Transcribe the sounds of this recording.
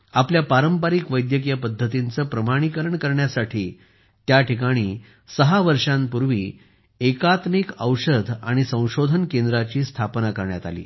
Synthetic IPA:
apljapaɾəmpaɾikʋəjd̪jək̬ijəpəd̪ʱːət̪int͡səːpɾəmaɽ̃ikəɾəɳkəɾɳjasaʈʰiː | t̪jaʈʰikaɽ̃iː | səɦaʋəɾʂãmpuɾʋiː | ekat̪mikəwɕəd̪ʱa̰ɽ̃isə̃w̃ɕod̪ʱənkẽnd̪ɾat͡ɕiːst̪ʰapnakəɾɳjat̪a̰lḭː

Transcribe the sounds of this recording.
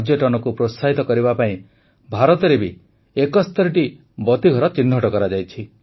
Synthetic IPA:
d͡ʒjɔʈɔnɔkupɾosaɦit̪ɔkɔɾibapaĩ | bʱaɾɔt̪ɔɾebi | ekɔst̪ʰɔɾiʈi | bɔt̪iɡʱɔɾɔt͡ʃinːʱɔʈɔkɔɾad͡ʒajt͡ʃʰi

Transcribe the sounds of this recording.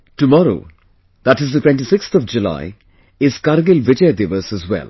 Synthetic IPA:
ʈumɔɾo̰ː | d̪̥æʈɪzd̪əʈwɛ̃nʈisɪkst̪ʰɔʋd͡ʒula̰ɪ | ɪz̥kaɾɡɪlʋɪd͡ʒəjd̪eʋəsəzwɛ̰l

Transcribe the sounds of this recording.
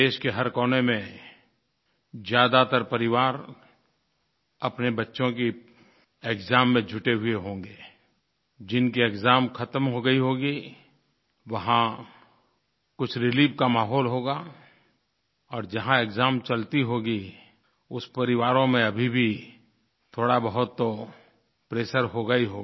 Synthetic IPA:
d̪eːʃkeɦɐɾkɔːnemẽ | zjaːd̪at̪əɾpɐɾɪʋaːɾ | ɐpnebɐtːʃõki | eːkzaːmːẽd͡ʒʱʊʈeɦʊeɦõːŋɡeː | d͡ʒɪnkieːkzaːmkʰɐt̪əmɦoɡɐiɦoːɡi | ʋɐɦã | kʊt͡ʃʰɾɪliːʋkamaːɦɔːlɦoːɡaː | ɔːɾd͡ʒɐɦãekzaːmt͡ʃɐlt̪iɦoːɡi | ʊspɐɾɪʋaːɾõmẽɐbʱibʱi | t̪ʰoːɽabɐɦʊt̪ːo | pɾeːʃəɾɦoɡɐiɦoː

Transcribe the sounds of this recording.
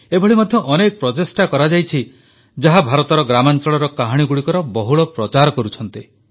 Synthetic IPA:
ebʱɔɭimɔd̪ʱjɔʔɔnek̚pɾɔt̪esʈakɔɾad͡ʒajt͡ʃʰi | d͡ʒaɦabʱaɾɔt̪ɔɾɔɡɾamant͡ʃɔɭɔɾɔkaɦaɽ̃iɡuɽikɔɾɔbɔɦuɭɔpɾɔt͡ʃaɾɔkɔɾut͡ʃʰɔnt̪i

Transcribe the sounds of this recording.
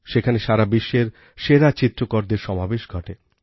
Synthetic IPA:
ʃekʰaneʃaɾabiʃːeɾ | ʃeɾat͡ɕit̪ːɾokoɾd̪eɾʃɔmabeʃɡʱɔʈe

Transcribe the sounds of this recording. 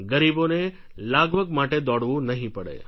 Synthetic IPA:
ɡəɾibone | laɡʋəɡmaʈed̪ɔɽʋũnəɦĩpəɽḛ

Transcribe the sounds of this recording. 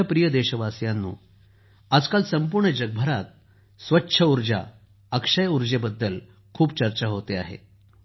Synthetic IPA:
əpɾijəd̪eɕəʋasjanːṵː | ad͡zkalsəmpuɾɳəd͡ʑəɡ̚bʱəɾat̪̚ | sʋətːɕʰəuɾd͡ʑa̰ | əkʂəjuɾd͡ʑebəd̪ːəl | kʰuːpt͡ɕəɾt͡ɕaɦot̪ea̰ɦḛ

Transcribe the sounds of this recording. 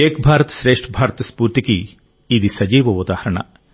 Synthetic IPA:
eːkbʱaːɾɐt̪ʃɾeːʂʈʰɐbʱaːɾɐt̪ɐspuːɾt̪ikiː | d̪isɐd͡ʒiːʋɐud̪aːhɐɾɐɳɐ̰

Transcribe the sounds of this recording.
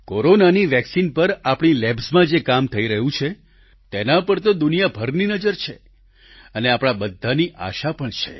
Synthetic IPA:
koɾonaniʋɛksinpəɾapɽ̃ilebsmãd͡ʒekamt̪ʰəiɾəɦũt͡ʃʰe | t̪enãpəɾt̪od̪unijabʱəɾninəd͡ʒəɾt͡ʃʰe | əneapɽ̃abəd̪ʱːaniʔa̰ʃapəɳt͡ʃʰḛ

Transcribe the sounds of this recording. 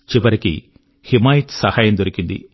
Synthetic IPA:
t͡ʃiʋɐɾikḭ | himaːjiʈsɐhaːjɐmd̪oɾikind̪ḭ

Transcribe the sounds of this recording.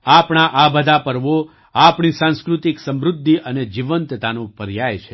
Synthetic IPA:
apɳ̃aʔabəd̪ʱapəɾʋo | apɳisãnskɾut̪iksə̃mɾʊd̪ʱːiʔəned͡ʒiʋənt̪t̪anõpəɾjajt͡ʃʰe

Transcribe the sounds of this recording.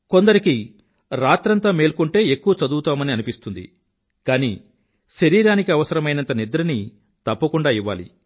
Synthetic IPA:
ko̞nd̪ɐɾiki | ɾaːt̪ɾɐnt̪aːme̞ːlkuɳʈe̞ːekːuʋɐt͡ʃɐd̪uːt̪aːmɐniɐnipist̪und̪ḭ | kaːnḭː | ʃɐɾiːɾaːnikiɐʋɐsɐɾɐmɐjnɐnt̪ɐnid̪ɾɐni | t̪ɐpːɐkuɳɖaːiʋːa̰ːlḭ

